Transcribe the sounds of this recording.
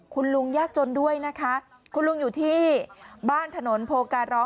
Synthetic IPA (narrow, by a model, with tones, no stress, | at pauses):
kʰu˧nlu˧ŋjaː˥˩k̚t͡ɕo˧ndu˥˩əjna˦˥kʰa˦˥ | kʰu˧nlu˧ŋjuː˨˩t̪ʰiː˥˩baː˥˩nt̪ʰa˧no˩˦npʰoː˧kaː˧nɾɔː˦˥